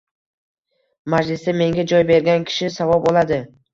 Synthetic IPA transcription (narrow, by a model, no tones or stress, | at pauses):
mad͡ʒlɪsd̪ame̞ŋɡʲad͡ʒɒjbe̞ɾɡʲankʲʰɪ̥ʃɪsavɒbolˠad̪ɪ